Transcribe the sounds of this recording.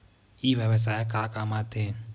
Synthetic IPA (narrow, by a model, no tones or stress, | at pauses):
iβɛβɛsaɛkʼakʼamat̪eːn̩